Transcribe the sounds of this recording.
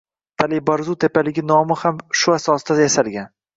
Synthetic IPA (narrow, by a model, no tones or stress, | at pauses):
t̪ʰalibaɾzut̪ʰe̞palɪɡʲɪnɒmɪhamʃʊasɒsd̪ajasalɡʲan